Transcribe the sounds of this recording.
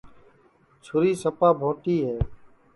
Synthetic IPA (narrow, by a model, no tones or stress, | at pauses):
t͡ʃʰʊɾiːsəpaːbʱõːʈiːɦɛː